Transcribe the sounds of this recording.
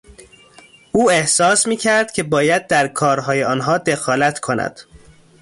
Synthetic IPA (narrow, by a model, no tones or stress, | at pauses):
uːe̞hsɒːsmiːcʰæɾd̪̥cʰe̞bɒːjæd̪̚ːæɾkʰɒːɾɦɒːjeɒːnɦɒːd̪e̞xɒːlæt̪ʰkʰo̞næ̰d̪̥